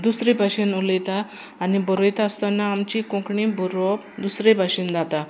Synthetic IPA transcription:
d̪usɾebʱaɕinuləjt̪aː | nibəɾojt̪aəst̪anːaːmt͡ɕikɔ̃kɳibɔɾɔ | d̪usɾebʱaɕind̪at̪a

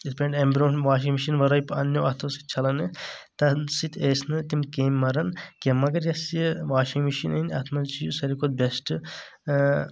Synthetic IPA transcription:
ispeɳɖembʲɾoːnʋaːʃ̬imiʃinʋɐɾɐjpɐ̰njoɐt̪ʰɐsi̥t̪̚t͡ʃʰɐlɐnɨ | t̪ɐsit̪ʰeːsnɨt̪imkeːmːɐɾɐnkʲɐmːɐɡɐɾjɐsjʋaːʃimiʃinɐnʲɐ̰t̪ʰmɐlt͡ʃijusɐɾʲikot̪̚besʈɨ

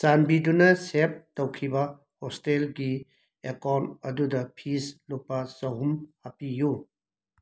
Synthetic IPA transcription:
sanbidunɐsep̚tɐwkʰibɐ | hɔstelɡi | ekawntɐdudɐpʰislupːɐzɐɦumhapiju

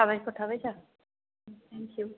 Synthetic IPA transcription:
aβajkɔt̪ʰabajsa | t̪ʰɛ̃ŋkju

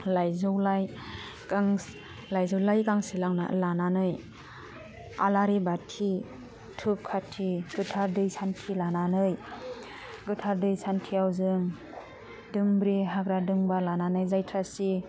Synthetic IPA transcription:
lajzɯwlaj | aŋ | lajzɯwlajkaŋsilaŋna̰lananɯj | a̰laɾibatʰi | tʰɯp̚kʰatʰiɡɯtʰaɾdɯjsʰantʰilananɯj | ɡɯtʰaɾdɯjsantʰiawzɯŋ | dɯŋbɾiɦaɡɾadɯŋbalananɯjzajtʰɾasi

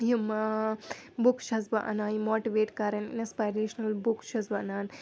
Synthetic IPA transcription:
jumːɐ | bukʃɐsbɐʔɐ̰naːjimoːʈiʋeːʈkaːɾɐnḭnspaːjɾeːʃɐnɐlbukʃɐsbɐɐnaːn

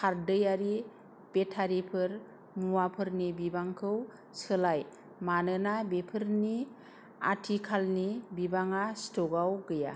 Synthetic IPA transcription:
kʰaɾdɯjaɾi | b̥etʰaɾipʰɯɾ | muwapʰɯɾnibibaŋkʰɯw | sɯlaj | manɯnabepʰɯɾni | a̰tʰikʰalnibibaŋastɔɡawɡɯja̰

